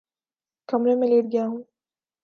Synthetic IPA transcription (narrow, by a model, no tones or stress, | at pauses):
kɐmɾemẽleːʈɡɐjaɦũː